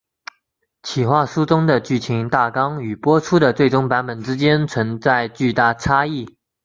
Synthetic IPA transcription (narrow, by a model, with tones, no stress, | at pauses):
t͡ɕʰi˨˩xwa˥˩ʂu˥ʈ͡ʂʊ˥ŋd̪ə˨t͡ɕy˥˩t͡ɕʰi˧˥ŋt̪a˥˩kɑ˥ŋy˨˩pwɔ˥ʈ͡ʂʰu˥d̪ə˨t͡swe˥˩ɪʈ͡ʂʊ˥ŋpa˧˥npə˨˩nʈ͡ʂɻ̩˥t͡ɕjɛ˥nt͡sʰwə˧˥ŋt͡sa˥˧ɪt͡ɕy˥˧t̪a˥˩ʈ͡ʂʰa˥i˥˩